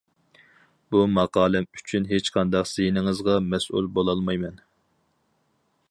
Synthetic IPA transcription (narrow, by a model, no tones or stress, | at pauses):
b̥umɑqɑːlˠɨmyt͡ʃʰynɦet͡ʃqʰɑnd̪ɑqsijnɪŋɨzʁɑmɛsʔṵlbolˠɑlˠmɑjmɛn